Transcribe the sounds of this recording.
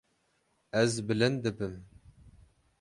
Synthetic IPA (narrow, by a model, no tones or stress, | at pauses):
ɛzbɨlɨnd̪ɨbɨm